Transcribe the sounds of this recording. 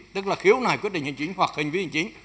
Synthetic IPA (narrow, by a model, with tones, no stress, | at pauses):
t̪ɨ˦˥k̚laː˨˩xi˨˦əwnaː˨˩kwt̚ɗï˨hï˨˩ŋ̟t͡ɕi˧˨˦ŋhwa˨˩k̚hï˨˩ŋ̟və˨˧˦hi˨˩ŋ̟t͡ɕi˨˦ŋ